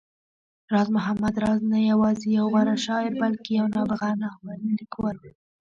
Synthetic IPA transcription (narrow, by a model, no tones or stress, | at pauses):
ɾɑzmʊɦamad̪ɾɑznajawɑzejawɣaɾaʃɑwebalkejawnɑbɪɣɑnawaɾnalikwal